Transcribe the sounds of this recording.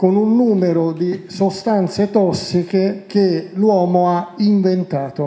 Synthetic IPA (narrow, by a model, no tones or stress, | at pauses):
konunːuːmeɾod̪isost̪ant̪set̪ɔsːik̟ek̟elwɔːmoaiɱvent̪aːt̪o